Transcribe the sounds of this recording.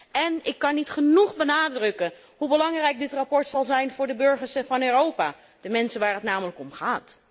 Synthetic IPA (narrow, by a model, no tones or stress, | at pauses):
ɛnɪkːɑnːitχənuχbənaːdrɵkə | ɦubəlɑŋrɛjk̚dɪtrapɔɹtsɑlˠzɛjnvʊːɹdəbɵɹχəɹsəvɑnøːrowpaː | d̥əmɛnsənʋaːɹɦətnaːmələkɔmχaːt